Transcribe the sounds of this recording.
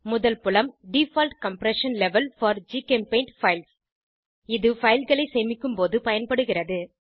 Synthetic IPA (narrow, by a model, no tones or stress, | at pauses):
mʊðɐlpʊlɐmɖifɐːlʈkɐmpɾɛʂɐnlɛʋɐlfɐːɾd͡ʒiːkempeɪɳʈfɐɪls | ɪðɯfɐɪlɣɐɭɐɪseːmɪkːɯmpoːðɯpɐjɐnpɐɽɯɣɪrɐðɯ